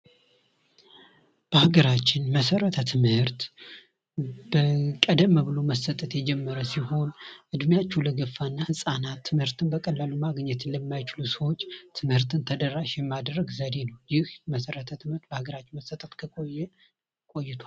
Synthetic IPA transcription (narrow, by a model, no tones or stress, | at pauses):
b̥əhaɡəɾat͡ʃːɪnməsəɾət̪ʰət̪ʰɨmhɨɾt̪ | bəkʼəd̪əmːəβɨlo̞məsət̪ʼət̪jɛd͡ʒɛmːəɾəsiho̞nʔɨd̪mjat͡ʃːuləɡəfːanːahɨsʼanat̪ʰːɨmhɨɾt̪ɨnbəkʼəlːalumaɡɲːɛt̪ʰɨnləmːajt͡ʃɪlusəwo̞t͡ʃːt̪ʰɨmhɨɾt̪ʰɨnt̪ʰəd̪ərːaʃjɛmːad̪rːəɡzəd̪e̞nəwjɪhməsəɾət̪ʰət̪ʰɨmhɨɾt̪̚bəhaɡəɾat͡ʃːɪnməsət̪ʼət̪kʰəkʼojːɛ | kʼo̞jːɪt̪ʰwal